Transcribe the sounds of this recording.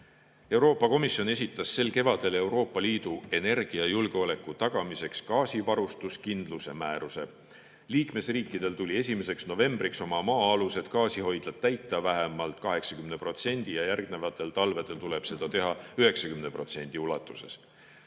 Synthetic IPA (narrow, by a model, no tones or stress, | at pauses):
e̞wɾo̞ːpːˑɑko̞misjo̞ne̞s̬ʲit̪ːˑɑsːe̞lke̞vɑd̪̥e̞le̞wɾo̞ːpːˑɑliːd̪̥ue̞ne̞rɡ̥iɑjulɡ̥eo̞le̞kːˑut̪ɑɡ̥ɑmise̞kskɑːsivɑɾust̪uskind̪̥luse̞mæːɾuse̞̰ | liːkme̞sriːkˑːid̪̥e̞lt̪ulʲie̞s̬ʲime̞se̞ksno̞ve̞mb̥rikso̞mɑmɑːɑluse̞d̪̥kɑːsiɦo̞jd̪̥lɑd̪̚t̪ːæjt̪ˑːɑvæɦemɑlt̪ˑkɑɦe̞ksɑ̥kymnepro̞t̪se̞nʲd̪̥ijɑjærɡne̞vɑt̪ːˑe̞lt̪ɑlve̞d̪e̞lt̪ule̞b̥se̞d̪̥ɑt̪e̞ɦɑyɦe̞ksɑkymnepro̞t̪se̞nʲd̪̥iulɑt̪ːˑuse̞s